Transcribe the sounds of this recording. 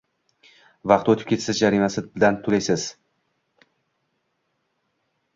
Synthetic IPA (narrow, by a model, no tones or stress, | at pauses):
vɑqt̪ot̪ʰɪ̥p̚kʲe̞t̪sɪzd͡ʒaɾimasɪbɪlant̪ʰʊlajsɪz̥